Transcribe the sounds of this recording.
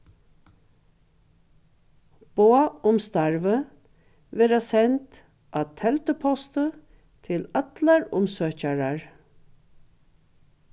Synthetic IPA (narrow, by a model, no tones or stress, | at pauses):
b̥oaʊmst̪aɹvə | ʋeːɾasɛnt̪ | ʔat̪ʰɛlt̪əpʰɔst̪ə | t̪ʰɪlat̪laɹʊmsøːcaɹaɹ